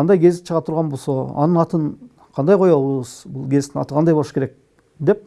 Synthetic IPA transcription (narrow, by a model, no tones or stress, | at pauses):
ɑnd̪ɑjɡʲʰe̞zd̪ɪʃʰəʁɑpt̪ʰʊɾʁɑnbo̞lˠsoɑ̰nənɑt̪ən | qʰɑnd̪ɑjqʰo̞jɑəz̥bʊlˠɡʲʰe̞zt̪ɪnɑ̰t̪əqʰɑnd̪ɑjbo̞lˠʃə̥kʰe̞ɾek̚ | d̪e̞p̚